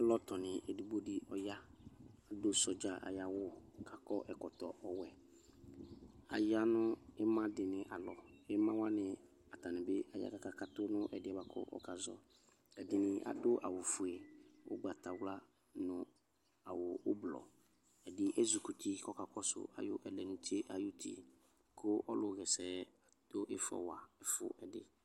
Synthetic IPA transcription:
ɛ˦lɔ˦tɔ˨nɪ̃˨ʔɛ˨di˨bo˦di˦ʔɔ˨ja˦a˨dʊ˦sɔ˨d͡ʒa˨ʔa̰˨ja˦wʊ˦kʰa˨kɔ˦ʔɛ˨kɔ˨tɔ˨ɔ˦wɛ˨ | a̰˨ja˦nʊ̃˦ɪ˦mã˦dɪ˨nɪ̃˨ʔa˨lɔ˨ɪ˦mã˦wa˦nɪ̃˨ | a˨ta˨nɪ̃˨bɪ˦a̰˨ja̰˦ka˨ka˨ka˦tʊ˦nʊ̃˦ʔɛ˨dɪ˦ɛ˨ba˨kʰʊ̰˦ʔɔ̰˦ka˨zɔ̰˦ | ɛ˨dɪ˨nɪ˨ʔa̰˨dʊ˦ʔa̰˨wʊ˨fʊ˨e˨ʊ̰˦ɡ͡ba˨ta˨wla˦ | nʊ̃˨ | a˨wʊ˨ʊ˦blɔ̰˨ | ɛ˨dɪ˦ʔɛ˦zu˨ku˨ti˦kɔ˦ka˨kɔ˦sʊ̰˨a̰˨jʊ̰˦ʔɛ˨lɛ˨nʊ̃˨ti˦e˦ʔa˨jʊ˦tʰḭ˨ | kʰʊ˦ʔɔ˦lʊ˨ɣɛ˨sɛː˨˦ | d̥ʊ˦ʔɪ˦fɔ̰˨wa˨ɛ˦fʊ̰˦ʔɛ˨dɪ̰˦

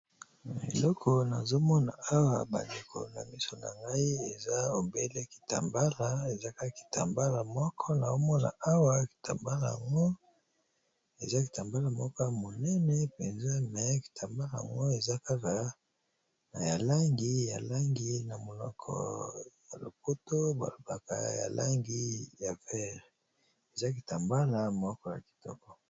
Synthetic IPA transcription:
e˨lɔ˦kʰo˨na˨zo˦mɔ˦na̰˨a˦wa˨ba˨nde˨kʰo̰˨na̰˨mi˦so˨na̰˨ŋɡa˦i˦e˨za˦o˨be˦le˦ki̥˨ta̰˨mba˦la˨e˨za˦ka˦ka˨ki̥˨ta̰˨mba˦la˨mɔ˦kʰɔ˦na˨o˦mɔ˦na̰˨a˦wa˦ki̥˨ta̰˨mba˦la˨ja̰˨ŋɡo˦ | e˨za˦ki̥˨ta˨mba˦la˨mɔ˦kɔ˦mo˨nɛ˦nɛ˦pɛ˨nza˦mɛ˨˦ki̥˨tʰa˨mba˦la˨a̰˨ŋɡo˦e˨za˦ka˦ka˦ | na˨ja˨la˦ŋɡi˦ja̰˨la˦ŋɡi˦na˨mo˨lɔ̰˨kʰɔ̰˨ja̰˨lo̰˨po˦to˦ba̰˨lo˨b̥a˨ka̰˨ja̰˨lʔa̰˦ŋɡi˦ja˨fɛ˦˨ʁ | e˨za˦ki̥˨ta˨mba˦la˨mɔ˦kɔ˦na̰˨ki̥˨tɔ̰˦kɔ˨

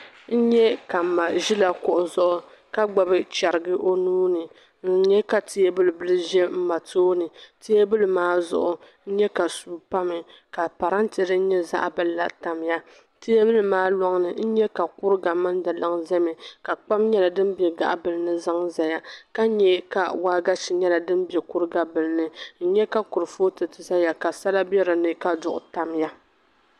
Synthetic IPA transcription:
n̩˦ɲɛ˦ka˨m̩˨ma˨ʒi˦la˦kʊ˨ʔʊ˨zʊ˦ʔʊ˨˦ | ka˦ɡ͡ba˨bɨ˦t͡ʃa˨ɾɨ˨ɡɨ˦ʔo˦nuː˦nɨ˨ | n̩˦ɲɛ˦ka˨ti˦je˦bɨ˦lɨ˨bɨ˦lɨ˦ʒɛ˦m̩˦ma˨toː˦nɨ˨ti˦je˦bɨ˦lɨ˨maː˦zʊ̰˨ʔʊ˨ | n̩˦ɲɛ˦ka˨suː˨˦pa˦mɨ˨ | ka˨pa˨ɾa˦nti˨ɾɨ˦n˦ɲɛ˦za̰˦ʔbɨ˨lːa̰˨ta˨m˦ja˦ | ti˦e˦bɨ˦lɨ˨maː˦lɔ˦ŋnɨ˨n̩˦ɲɛ˦ka˨kʊ˦ɾɨ˦ɡa˨mɨ˦ndɨ˨lɨ˦ŋzɛ˦mɛ˨ka˨k͡pa˦mɲɛ˦la˨dɨ˦mbɛ˨ɡa̰˦ʔbɨ˨lɨ˦nɨ˦za˦ŋza˨ja˦ka˦ɲɛ˨˦ka̰˨waː˦ɡa˦ʃi˨ɲɛ˦la˨dɨ˦m˦bɛ˨kʊ˦ɾɨ˦ɡa˨bɨ˨lɨ˦nɨ˦n̩˦ɲɛ˦ka˦kʊ˨ɾɨ˨fo˦tɨ˨tɨ˨za˦ja˨ka˨sa˦la˦bɛ˦ɾɨ˨nɨ˦ka˦dʊ˨ʔʊ̰˨ta˨mja˦

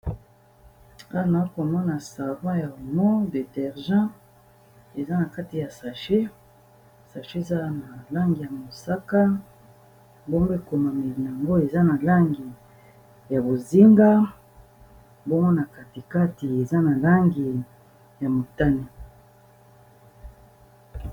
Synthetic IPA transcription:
a˦˨na˨˦ko˨mɔ˦na˨sa˨vã˦ja˨o˨mɔ˦de˨tɛ˨ʁʒã˦ | e˨za˦na˨ka˦ti˨ja˨sa˨ʃe˦ | sa˨ʃe˦e˨za˦na˨la˦ŋɡi˨ja˨mo˨sa˦ka˦ | bo˦ŋɡo˦e˦˨ko˨ma˨me˨li˨na˨a˨ŋɡo˦e˨za˦na˨la˦ŋɡi˨ | ja˨bo˨zi˦ŋɡa˦ | bo˦mɡo˦na˨ka˨ti˨ka˦ti˨e˨za˦na˨la˦ŋɡi˨ | ja˨mo˨ta˦ni˨

